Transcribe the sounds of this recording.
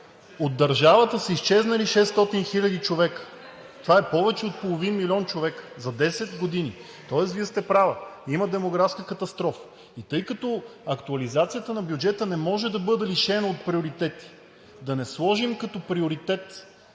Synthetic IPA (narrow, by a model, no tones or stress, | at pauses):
od̪dːɐɾʒavət̪əsəist͡ʃɛznɐliʃɛst̪ɔt̪inxilʲɐd̪it͡ʃovɛkə̥ | t̪ovaɛpɔvɛt͡ʃɛot̪̚polˠovinmilʲɔnt͡ʃovɛkə̥zɐd̪ɛsɛt̪ɡod̪ini | t̪ɔɛsviəst̪ɛpɾavɐimɐd̪ɛmoɡɾafskəkɐt̪ɐst̪ɾɔf | it̪ɤjkɐt̪ɔɐkt̪uɐlizat̪sijət̪ənɐbjʊd͡ʒɛt̪ənɛmɔʒɛd̪ɐbɤd̪ɛliʃɛnəot̪̚pɾioɾit̪ɛt̪i̥ | d̪ɐnɛslˠɔʒimkɐt̪ɔpɾioɾit̪ɛt̪